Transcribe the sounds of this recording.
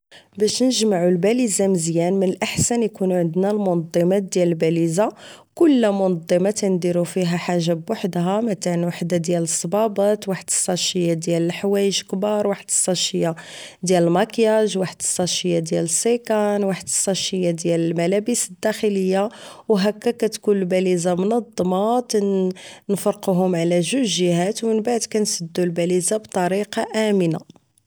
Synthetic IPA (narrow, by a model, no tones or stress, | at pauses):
bæʃnəʒmaʕulbælizaməzjænmənəlʔaħsænjkunuʕənd̪nælmʊnɑd̪ˤːɑmɑt̪̚d̪jæləlbæliza | kʊlːmʊnɑd̪ˤːɑmat̪ænd̪iɾufiɦæħaʒːabwaħd̪ɦæmət̪aʕnwaħd̪ad̪jæləsˤːɑbɑbɑt̪waħəd̪əsˤːɑʃəjːad̪jæləlħwæjəʒkbɑɾˤwaħəd̪ə̥sˤːɑʃəjːad̪jæləlmɑkjæʒwaħəd̪ə̥sˤːɑʃəjːad̪jæləsˤːekænwaħəd̪əsˤːɑʃəjːad̪jæləlmælæbəsəd̪ːæxələjːawɦækːækæt̪kunəlbælizamnɑd̪ˤːmɑkænfɑɾˤquɦʊmʕlæʒuʒəɦæt̪wmənbaʕd̪kænsəd̪ːulbælizabt̪ˤɑɾiqɑʔæməna